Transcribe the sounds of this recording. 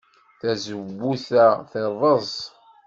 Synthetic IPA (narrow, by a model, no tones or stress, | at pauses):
θæzəvːuθæθerˤːəzˤ